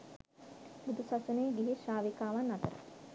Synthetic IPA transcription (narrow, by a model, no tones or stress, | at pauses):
bud̪ʱusɐsuneːɡiɦiʃaːʋikaːʋanːɐt̪əɾə̰